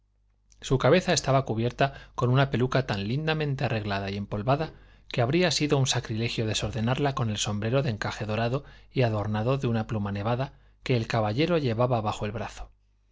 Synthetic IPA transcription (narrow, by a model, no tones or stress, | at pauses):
sukaβe̞θae̞st̪aβakuβje̞ɾt̪ako̞nũnape̞lukat̪anlind̪amẽnt̪e̞are̞ɣlaðaie̞mpo̞lβaða | ke̞aβɾiasiðo̞unsakɾile̞xjo̞ðe̞soɾðe̞naɾlako̞ne̞lso̞mbɾe̞ɾo̞ðe̞ŋkaxe̞ðo̞ɾaðo̞iaðo̞ɾnaðo̞ðeunaplumane̞β̞aða | ke̞ːlkaβaʎe̞ɾo̞ʎe̞βaβaβaxo̞e̞lβɾaθo̞̥